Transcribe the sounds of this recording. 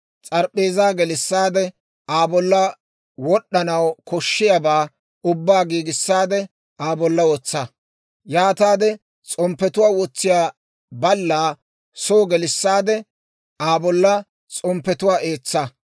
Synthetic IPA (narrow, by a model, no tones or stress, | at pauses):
t͡sʼɐɾpʼːeːzaːɡɛlɪsːaːd̪ɛ | ʔaːbɔlːɐ | wɔɗːɐnɐwkɔʃːɪjabaː | ʊbːaːɡiːɡɪsːaːd̪ɛ | ʔaːbɔlːɐwɔt͡sːɐ | jaːt̪aːd̪ɛ | t͡sʼɔmpːɛt̪ʊwaːwɔt͡sːɪjaː | bɐlːaː | soːɡɛlɪsːaːd̪ɛ | ʔaːbɔlːɐ | t͡sʼɔmpːɛt̪ʊwaːʔeːt͡sːɐ